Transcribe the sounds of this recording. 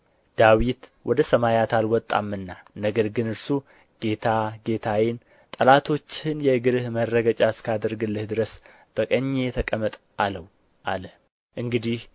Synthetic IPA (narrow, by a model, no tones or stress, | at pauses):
d̪̥awit̪wʔɔd̪əsəmajat̪ʰalwɔt̪ʼːa̰mːɨnːanəɡəɾɡɨnɨɾsu | ɡ̥e̞t̪ʰaɡe̞t̪ʰawɪn | t̪ʼəlat̪ʰo̞t͡ʃːɪnjɛɨɡɨɾɨhməɾːəɡət͡ʃʼaskʰad̪əɾɡɨlːɨhd̪ɨɾəs | b̥əkʼəɲːejɛt̪ʰəkʼəmːət̪ʼ | aləw | ʔa̰lə | ʔɨŋɡɨd̪ih